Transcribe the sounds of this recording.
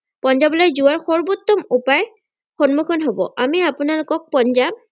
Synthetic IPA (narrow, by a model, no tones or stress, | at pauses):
pɔnzablɔjzʊwaɹxɔɹbut̪ːɔmupaj | xɔnmukʰɔnɦobɔ̰ʔamiapʊnalʊkɔk̚pɔnzab̚